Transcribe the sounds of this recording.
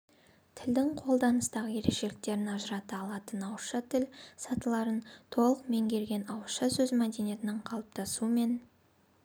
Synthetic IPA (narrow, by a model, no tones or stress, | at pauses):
t̪ʰɪld̪ɪŋqʰo̞lˠd̪ɑnəst̪ɑʁəje̞ɾe̞kʃe̞lɪk̚t̪e̞ɾɪnɑʒəɾɑt̪əɑlˠɑt̪ənɑwəʃɑt̪ʰɪlsɑt̪əlˠɑɾənt̪ʰo̞lˠəqme̞ŋɡʲe̞ɾɡʲe̞nɑwəʃɑsɵzmæd̪e̞nije̞t̪ɪnəɴqʰɑlˠəp̚t̪ʰɑsuəme̞n